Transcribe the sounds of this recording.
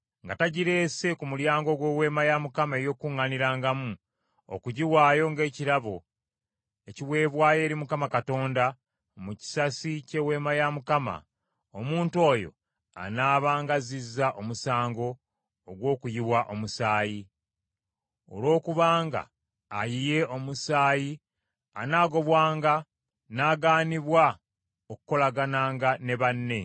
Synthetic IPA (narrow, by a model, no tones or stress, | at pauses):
ŋɡataɟiɾe̞ːse̞kumuljaːŋɡo̞ɡwe̞we̞ːmajamukamaejo̞kuŋːaniɾaːŋɡamu | o̰kuɟiwaːjo̞ŋɡe̞ːciɾaβo | e̞ciwe̞ːβwaːje̞ːɾimukamakato̞ːnda | muci̥sasice̞we̞ːmajamukama̰ | omuːntuo̞ːjo̞̰ | a̰naːβaːŋɡazizːaʔo̞musaːŋɡo̞ː | ɡwo̞ːkujiβwaʔo̞musaːji | o̞̰lo̞ːkuβaːŋɡa̰ː | jije̞o̞musaːji | a̰naːɡo̞βwaːŋɡa | naːɡaːniβwa | oku̥ko̞laɡanaːŋɡane̞βanːe̞